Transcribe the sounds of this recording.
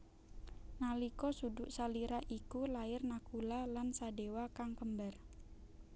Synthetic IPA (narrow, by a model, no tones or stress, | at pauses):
nalikɔsudʊʔsaliɾaʔikulaɪrnakulalansadewakaŋkəmbar